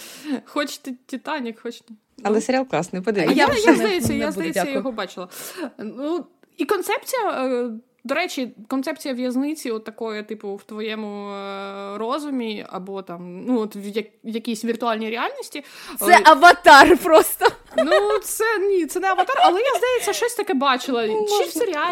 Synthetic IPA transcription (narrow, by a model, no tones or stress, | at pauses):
xɔt͡ʃt̪ɪtʲit̪ɑnʲikxɔt͡ʃnʲ | ɐlˠɛseɾʲalˠklˠɑsnɛpɔd̪ɪijajzd̪ɐjɛsʲːɐjazd̪ɐjesːɐjɔɦɔbɑt͡ʃɪlˠɐnu | ikɔnt̪sɛp̚t͡sʲijɐ | d̪ɔɾɛt͡ʃikɔnt̪sɛp̚t͡sʲijɐʋjɐznɪt͡sʲiɔt̪ːɐkɔjɐt̪ɪpʊwt̪ʋɔjɛmʊ | rɔzʊmʲiɐ̰bɔt̪ɑmnuɔt̪ʋjɐjɐkʲisʲʋʲirt̪ʊɑlʲnʲijɾʲɪalʲnʲisʲtʲiɛʔɐʋɐt̪ɑrpɾɔst̪ɔnusɛnʲit̪sɛnɛɐʋɐt̪ɑrɐlˠɛjazd̪ɐjet͡sʲːɐʃt͡ʃɔsʲt̪ɐkɛbɑt͡ʃɪlˠɐt͡ʃifseɾʲɪa